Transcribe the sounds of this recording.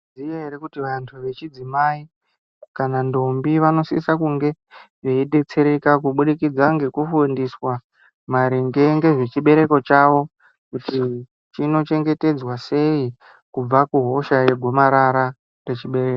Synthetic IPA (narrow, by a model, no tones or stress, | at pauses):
zijaɦeɾekutiʋantʰuʋe̞t͡ʃid͡zimai | kanando̞mbiʋano̞sḭsakuŋɡe̞ | ʐeiɗe̞t͡se̞ɾe̞kak̬uɓuɗikid͡zaŋɡe̞kufundiswa | maɾiŋɡe̞ŋɡe̞ʐe̞t͡ʃiɓe̞ɾe̞ko̞t͡ʃaʋo̞ | kuti | t͡ʃino̞t͡ʃe̞ŋɡe̞te̞d͡zwase̞i | kub͡vakuɦo̞ʃajeɡʱo̞maɾaɾa | pe̞t͡ʃiɓe̞ɾeːko